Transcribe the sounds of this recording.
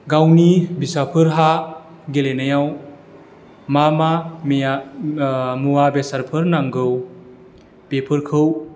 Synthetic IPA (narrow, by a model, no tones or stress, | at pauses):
ɡawnibisapʰɯɾɦa | ɡelenajaw | mamama | muwabesaɾpʰɯɾnaŋɡɯw | pepʰɯɾkʰɯw